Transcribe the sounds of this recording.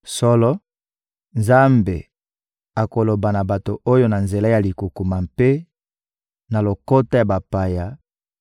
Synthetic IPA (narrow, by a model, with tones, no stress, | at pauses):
sɔ˦lɔ˦ | nza˦mbḛ˨ | a˨ko˨lo˨ba˨na˨ba˨to˨ʔo˦jo˦na˨nze˨la˦ja˨li˨ku˨ku˨ma˨mpe˦ | na˨lo˨ko˦ta˦ja˨ba˨pa˨ja˨